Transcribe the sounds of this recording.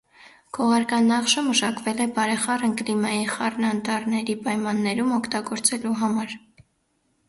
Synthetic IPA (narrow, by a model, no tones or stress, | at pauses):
ɡ̥ʰɔʁɑɾkɑnːɑχʃəməʃɑkvɛlɛbɑɾɛχɑrəŋklimɑjiχɑrnɑnt̪ɑɾnɛɾipɑjmɑnːɛɾumɔkʰt̪ɑɡɔɾt͡sɛluɦɑmɑɾ